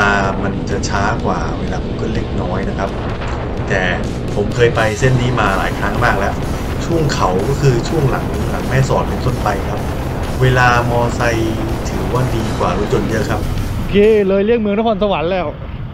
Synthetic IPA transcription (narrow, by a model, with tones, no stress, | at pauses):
aː˧ma˧nt͡ɕa˨˩t͡ɕʰaː˦˥kwa̰ː˨˩weː˧laː˧˩pʰo˨˩˦mkʰɯː˧˥˩le˧˥˩k̚nɔː˦˥jna˦˥kʰa˦˥p̚ | t̪ɛː˨˩ | pʰo˩˦mkʰɤː˧jpa˧jse˥˩nːiː˦˥maː˧la̰ː˨˩˦jkʰɾaː˦˥ŋmaː˥˩k̚lɛ˦˥ʔ | t͡ɕʰu˥˩əŋkʰa˩˦wkɔː˥˩kʰɯː˧t͡ɕʰu˥˩əŋla̰˩˦ŋ | la˩˦ŋmɛː˥˩sɔː˨˩t̚pe˧nt̪o˥˩npa˧jkʰa˦˥p̚ | weː˧laː˧mɔː˧sa˧j | t̪ʰɯː˩˦wa˥˩diː˧kwaː˨˩ɾu˦˥t̪̚jo˨˧˩njɤ˦˥ʔkʰa˦˥p̚ʔo˧kʰeː˧lɤː˧jli˥˩ək̚mɯ˧ə˧ŋna˦˥kʰɔː˧nsa˧wa˩˦nlɛː˥˩w